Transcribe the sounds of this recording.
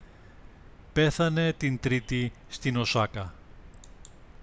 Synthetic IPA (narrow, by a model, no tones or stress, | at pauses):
pe̞θɐne̞t̪int̪ɾit̪ist̪ino̞sɐkɐ